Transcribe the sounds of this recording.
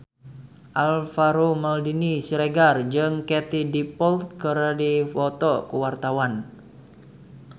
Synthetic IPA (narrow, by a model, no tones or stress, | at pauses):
ʔalfaɾomaldinisiɾeɡard͡ʒɨŋkɛt̪idipɔlt̪̚kəɾadifɔt̪ɔkuwart̪awan